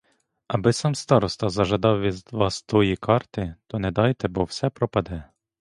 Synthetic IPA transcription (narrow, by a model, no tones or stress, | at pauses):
ɐbɪsɑmst̪ɑɾɔst̪ɐzɐʒɐd̪ɑwʋʲiʋɑst̪ɔjikʰɑrt̪ɪt̪ɔnɛd̪ɑjt̪ɛbɔwsɛpɾɔpɐd̪ɛ